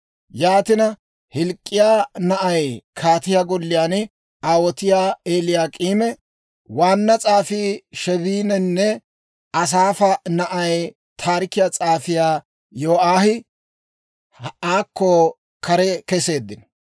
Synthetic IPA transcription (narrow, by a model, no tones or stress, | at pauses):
jaːt̪ɪnɐ | hɪlkʼːɪjaːnɐʔɐjkʰaːt̪ɪjaːɡɔlːɪjaːn | aːwɔt̪ɪjaːeːlɪjaːkʼiːmɛ | waːnːɐt͡sʼaːfiːʃɛβiːnɛnːɛ | ɐs̬aːfɐnɐʔɐj | t̪ʰaːɾɪkːɪjaːt͡sʼaːfɪjaː | joːʔaːhɪ | aːkːɔ | kɐɾɛkɛse̞ːd̪ːɪn